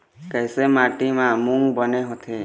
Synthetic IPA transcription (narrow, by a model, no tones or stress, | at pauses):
kəjsemaʈimãmuŋɡbəneɦɔt̪ʰe